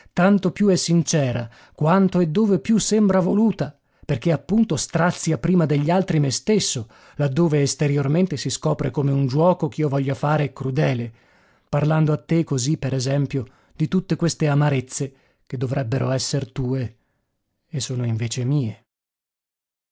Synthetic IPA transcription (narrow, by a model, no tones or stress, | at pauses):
t̪ant̪opjuɛsːint͡ʃɛːɾa | kwant̪oed̪ːoːvepjusːembɾavoluːt̪a | perk̟eapːunt̪ost̪ɾat̪sːiapɾiːmad̪eʎːialt̪ɾimest̪esːo | lad̪ːoːveːst̪eɾjorment̪esiskɔːpɾekomeund͡ʒwɔːkok̟iːovɔʎːafaːɾeɛkːɾud̪ɛːle | parland̪oat̪ːekːozipːeɾezɛmpjo | d̪it̪ut̪ːekwest̪eamaɾet̪sːe | k̟ed̪ːovɾʔɛbːeɾʔo̰ɛsːert̪uːeː | sːoːnoiɱveːt͡ʃemiːe